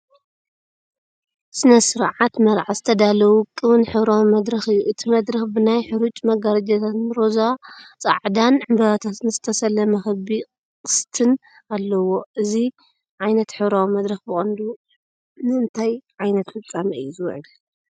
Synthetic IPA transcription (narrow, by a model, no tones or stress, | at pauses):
sɨnɐsɨɾʕat̪mɐɾʕazɨt̪ʰɐd̪alɐwukʼːɨβɨnħɨβɾawimɐd̪ɾɐxɨjːuʔɨt̪ʰimɐd̪ɾɐxbɨnajħɨɾut͡ʃʼmɐɡaɾɐd͡ʒɐt̪ʰat̪nɾozat͡sʼa̰ʕd̪anʕɨmbɐβat̪ʰat̪nɨzɨt̪ʰɐsɐlːɐmɐxɐbi | qʼɨst̪ʰɨn | alːɐwo̞ʔɨzi | ʕajnɐt̪ħɨβɾawimɐd̪ɾɐxbɨxʼɐnd̪u | nɨɨnt̪ʰajʕajnɐt̪fɨt͡sʼːamɐɨjːuzɨw̰ʕlɐ